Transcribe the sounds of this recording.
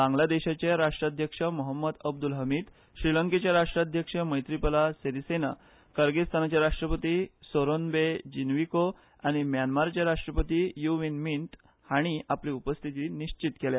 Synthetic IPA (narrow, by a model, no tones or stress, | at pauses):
bãŋɡlad̪eɕat͡ɕeɾaʂʈɾad̪ʱjəkʂəmɔɦəmːəd̪əb̚d̪ulɦəmiːt̪ | ɕɾiləŋket͡ɕjaɾaʂʈɾad̪ʱjəkʂəməjt̪ɾipəlaseɾisena̰ | kəɾɡest̪ʰanat͡ɕjaɾaʂʈɾəpət̪iːsoɾonbed͡ʑinʋiko | aɽ̃imjanmaɾt͡ɕjaɾaʂʈɾəpət̪ijuʋinmint̪ | haɽ̃iapliupəst̪ʰit̪iniɕt͡ɕit̪kelja